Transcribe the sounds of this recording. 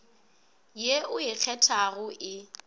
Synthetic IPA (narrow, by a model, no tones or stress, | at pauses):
jeʔʊɪk͡xʰɛtʰaɣʊʔɪ